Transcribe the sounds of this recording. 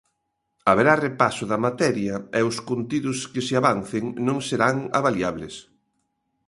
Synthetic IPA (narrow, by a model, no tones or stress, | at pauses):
aβeɾarepasʊðɐmat̪ɛɾjɐɛʊskont̪iðʊskɪsɪaβanθeŋnõŋseɾaŋa̰βaljaβles